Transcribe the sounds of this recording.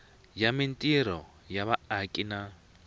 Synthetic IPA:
jamintʼiɾɔ | jaβaːkʼina

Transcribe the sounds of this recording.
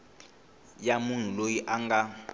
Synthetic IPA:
jamun̤ulojiʔaŋɡa

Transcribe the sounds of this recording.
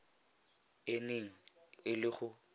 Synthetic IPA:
ɪneŋ̩ɪlɪχʊ

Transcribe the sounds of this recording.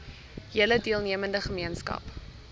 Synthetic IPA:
ɦiələdiəlˠniəməndəχəmiənskɐ̰p

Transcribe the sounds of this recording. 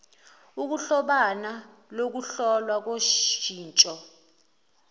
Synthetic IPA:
uk̬uɬɔɓana | lok̬uɬɔlwak̬oʃiːnt͡ʃʼɔ

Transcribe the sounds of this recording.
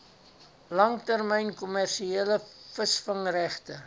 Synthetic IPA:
lɐŋtærməjnkɔmærʃieːləfəsfəŋræχtə

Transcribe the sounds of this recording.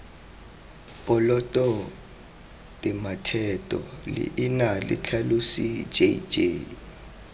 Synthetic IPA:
pʼɔlɔtʼɔ | dʼɛmatʰɛtʼɔ̰lḭʔinalḭt͡ɬʰalusid͡ʒed͡ʒḛ

